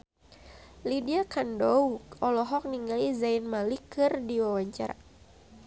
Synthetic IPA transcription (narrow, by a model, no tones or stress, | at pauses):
lidiakandɔwɔlɔɦɔk̚niŋalizainmalikɨrdiwawaɲt͡ʃaɾa̰